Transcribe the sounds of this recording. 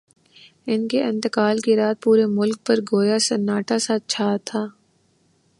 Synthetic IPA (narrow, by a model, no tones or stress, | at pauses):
ɪnkeʔɪ̃nt̪ɪkaːlkiɾaːt̪̚puːɾemʊlk̚pɐɾɡoːjasɐnːaːʈasat͡ʃʰaːt̪ʰaː